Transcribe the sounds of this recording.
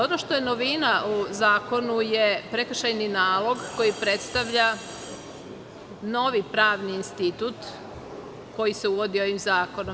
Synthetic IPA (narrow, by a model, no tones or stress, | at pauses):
onoʃt̪o̞jenoʋinauzaːko̞nujepɾe̞kr̩ʃajninaːlˠo̞ɡko̞jipɾe̞t̪st̪aʋʎa | no̞ʋipɾaːʋniːnst̪it̪ut̪ | ko̞jise̞uʋo̞d̪io̞ʋimzaːko̞nom